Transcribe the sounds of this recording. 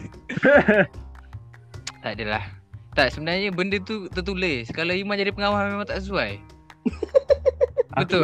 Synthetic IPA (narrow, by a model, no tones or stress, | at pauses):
t̪adəla̰ht̪aʔsəbənarɲəbəndət̪ut̪ət̪uleskalaimad͡ʒadipəŋawahmemãŋt̪aʔsəsuaj | bət̪ʊ